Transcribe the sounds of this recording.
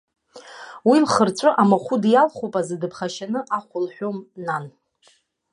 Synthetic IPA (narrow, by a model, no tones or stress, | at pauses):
wilχərt͡sʷʼʊʔamaχʷʊdjalχupʼazɨdɨpʰχaʃanɨʔaχʷʊlħʷᶣomnan